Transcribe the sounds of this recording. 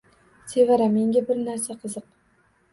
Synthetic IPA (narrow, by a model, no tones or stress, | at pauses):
sʰe̞vaɾame̞ŋɡʲabɪɾnaɾsaqʰɨzɨq